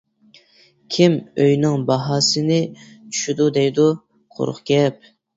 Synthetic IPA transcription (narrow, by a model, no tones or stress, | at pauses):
kʲʰimøjnɪŋbɑɦɑːsɨnɪt͡ʃʰy̥ʃyd̪ud̪ɛjd̪u | qʰo̰ɾʊ̰χkʲɛp̚